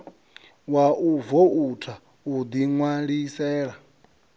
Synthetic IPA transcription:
waʔuvoutʰa | ud̪iŋwaɺisɛːɺa

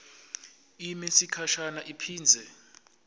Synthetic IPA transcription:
imesikʰaʃanaʔipʰiːnd͡zʱɛ

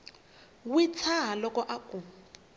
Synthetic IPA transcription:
wit͡sʰaɦalɔkɔʔakʼu

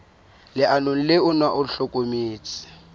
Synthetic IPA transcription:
lɪʔanon̩lɪʊnwaʔʊɬokʼomiːt͡sʼɪ̥

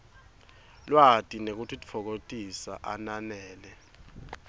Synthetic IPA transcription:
lwatʼinek̬utʰitʼi̥fʰɔk̬otʼisa̰ʔananɛːlɛ

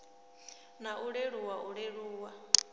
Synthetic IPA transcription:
naʔuɺeɺuwaʔuɺeɺuːwa

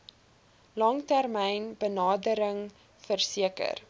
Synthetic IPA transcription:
lɑŋtærmɛjnbənɑːdəɾəŋ | fərsiəkə̰r

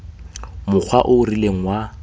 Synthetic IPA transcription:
mʊk͡xʰwaʔʊrileŋ̩wa

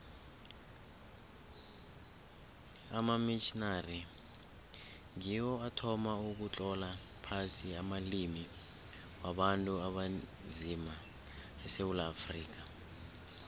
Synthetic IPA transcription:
amamit͡ʃinari | ŋiwɔatʰɔmauk̬ut͡ɬʼɔla | pʰasiamalimi | waɓantʼuaɓand͡zʱima | ɛsewulaːfriːk̬a

